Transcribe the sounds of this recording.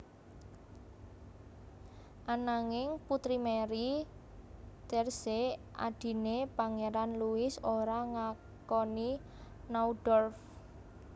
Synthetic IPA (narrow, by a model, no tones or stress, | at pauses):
ʔanaŋɪŋput̪ɾimeɾi | t̪ɛrsea̰d̪̥i̤nepaŋeɾanluɪsoɾaŋa | kɔni | nauɖ̥ɔrf